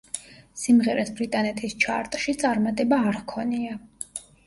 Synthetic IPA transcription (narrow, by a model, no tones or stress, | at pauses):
simʁɛɾɛsbɾit̪ʼanɛt̪ʰist͡ʃʰaɾt̪ʼʃit̪sʼaɾmat̪ʼɛbaːɾkʰɔnia